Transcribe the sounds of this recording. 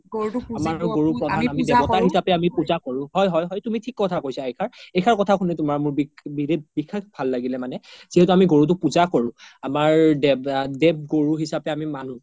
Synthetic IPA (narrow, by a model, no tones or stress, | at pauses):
ɡotamaɡoɹupɹɔdʱaamidɛbɔtaɹɦisapɛamipuzakoɹʊ̃ɦɔjɦɔjɦɔjtumitʰikːɔtʰakojsaejkʰaɹejkʰaɹkɔtʰakʰunɛtʊmaɹmʊɹbibidibikʰːakbʱalːaɡilɛmanɛz̥iɦɛtʊamiɡoɹut̬ʊpuzakoɹʊ̃amaɹdɛdɛb̚ɡoɹuɦisapɛamimanu